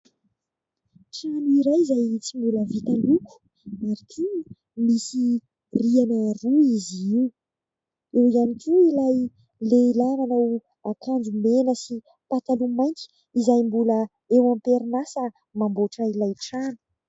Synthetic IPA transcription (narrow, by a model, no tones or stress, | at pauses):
ʈ͡ʂanuiɾajizajt͡simbuləvit̪aluku̥ | aɾik̪ʰi | misi | rianaɾuiziiw | ewizanikʲuilaj | lelanana | akʰaɳd͡ʒumenəsi | pat̪alumajnk̪i̥ | izajmbulə | ewampeɾinasə | mamboʈ͡ʂəilajʈ͡ʂanu̥